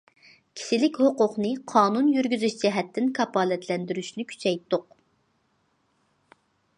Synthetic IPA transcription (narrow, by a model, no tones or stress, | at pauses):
kʲʰi̥ʃilɪkʲhoqʊqnɨqʰɑːnunjyɾɡʲyzyʃt͡ʃʰɛɦɛt̪ʰːɪnkʰɑpɑːlɛt̪lɛnd̪yɾyʃnɪkʲʰy̥t͡ʃʰɛjt̪ːʊq